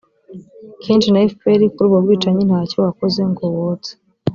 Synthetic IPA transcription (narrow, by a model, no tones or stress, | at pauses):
kʰeːnt͡ʃinaifpeɾikuɾuːbɡobɡiːt͡ʃaɲin̥haːco̞wakoze̞ŋɡowot͡se̥